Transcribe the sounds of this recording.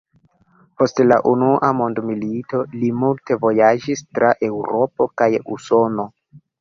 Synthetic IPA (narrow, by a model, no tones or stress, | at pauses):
po̞stla̰ʔunuʔamondmilito̞limulte̞vo̞jad͡ʒistɾaʔe̞wɾo̞po̞kajṵso̞no̞